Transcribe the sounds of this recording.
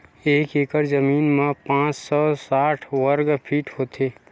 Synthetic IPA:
eːkeːkəɾzəmiːnmãpãːt͡ʃsɔːsaːʈʰwəɾɡpʰiːʈɦoːt̪ʰeː

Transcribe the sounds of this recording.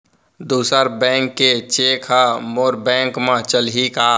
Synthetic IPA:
d̪uːsəɾbɛ̃ːŋkːet͡ʃeːkʰamoːɾbɛ̃ːŋkmãt͡ʃəlɦikaː

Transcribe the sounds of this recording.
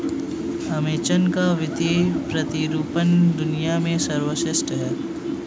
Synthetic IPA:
ɐmeːt͡ʃənkaʋɪt̪epɾɐt̪iɾuːpənd̪ʊnijamẽsɐɾwəʃɪsʈɦɛː

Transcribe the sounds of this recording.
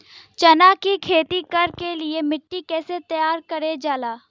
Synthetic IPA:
t͡ʃɐnaːkikʰeːt̪ikɐɾkeliemɪʈːikɛːset̪ɐjaːɾkɐɾed͡ʒaːlaː

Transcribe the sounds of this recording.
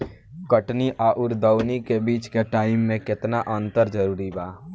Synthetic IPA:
kəʈniʔaːʔʊɾd̪əʊnikebiːt͡ʃkeʈaːɪmːẽkɪt̪naʔə̃nt̪əɾd͡ʒəɾuːɾibaː

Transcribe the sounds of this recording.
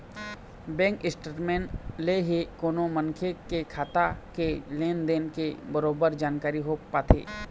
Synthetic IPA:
bɛ̃ːŋkɪsʈəɾmẽːnleɦikoːnomə̃ŋkʰekekʰaːt̪akeleːnd̪eːnkebəɾoːbəɾd͡ʒaːnkaːɾiɦopaːt̪ʰḛː

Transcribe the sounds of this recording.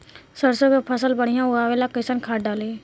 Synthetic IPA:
səɾsokepʰəsəlbəɽ̤̃ɪjãːʊaːʋeːlaːkəsənkʰaːɖaːleː

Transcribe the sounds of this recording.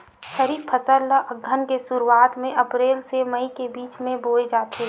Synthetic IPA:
ʃəɾiːpʰəsəlːaʔəɡʱːənkesʊɾuaːt̪mẽʔɐpɾeːlseməikebiːt͡ʃmẽboːed͡ʒaːt̪ʰe

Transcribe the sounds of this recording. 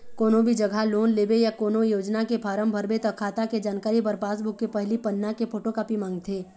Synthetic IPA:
koːnõbʱid͡ʒɐɡʱaloːnleːbejakoːnojoːd͡ʒnakepʰaːɾəmbʱəɾbet̪ɐkʰaːt̪aked͡ʒaːnkaːɾipɐɾpaːs̬bʱʊkːepɛɦlipɐnːakepʰoːʈokaːpimãːŋɡ̚t̪ʰeː

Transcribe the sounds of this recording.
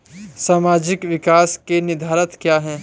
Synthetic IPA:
saːmaːd͡ʒɪkʋɪkaːskenɪd̪ʱaːɾət̪kjaːɦɛː

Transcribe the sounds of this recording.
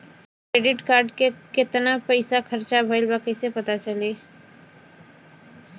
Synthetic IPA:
kɾeːɖɪʈkaːɾɖkeket̪napəɪsakʰəɾt͡ʃabʱəɪlbaːkəjsepɐt̪at͡ʃəliː

